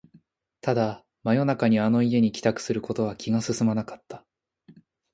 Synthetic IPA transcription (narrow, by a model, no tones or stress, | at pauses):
t̪ad̪a | majo̞nakaɲ̟iano̞ie̞ɲ̟ikʲi̥t̪akɯ̟̥sɨɾɯ̟ko̞t̪o̞βakʲiɡasɨsɨmanakḁt̪ːḁ